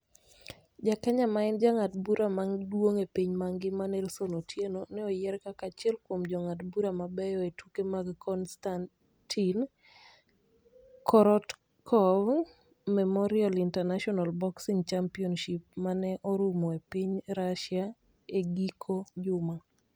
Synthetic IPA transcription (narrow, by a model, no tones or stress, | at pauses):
d͡ʒakaɲamaɛnd͡ʒaŋatbuɾʔamaŋdwoŋepiɲmaŋɡɪmanɛlsonotʰjenonɛɔjɛɾkakat͡ʃɪɛlkwomd͡ʒɔŋatbuɾamabɛjɔetukemaɡkʰɔnstan | tʰin | kʰɔɾɔt | kʰɔv | mɛmɔɾialintɛnaʃɔnalbɔksiŋt͡ʃampiɔnʃip̚manɛʔɔɾumɔepiɲɾaʃja | eɡikʰod͡ʒʊma